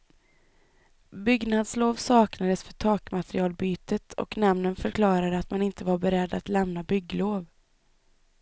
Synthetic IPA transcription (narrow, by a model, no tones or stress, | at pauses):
bʏɡnad̪sloːvsɑːknad̪əsfœʈʰɑːkmat̪ɾɪɑːlbyːt̪ət̪ʰɔ̰knɛmnənfœɾkʰlɑːɾad̪əat̪manɪnt̪əvaɾbɛɾɛd̪ːat̪lɛmnabʏɡːloːv